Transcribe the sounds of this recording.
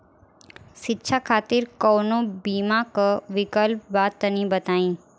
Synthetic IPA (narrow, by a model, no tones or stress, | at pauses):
ʃɪtːʃʰakʰaːt̪ɪɾkɔːnõbiːmakoʋɪkəlp̚baːt̪ːɐnĩbɐt̪aːĩː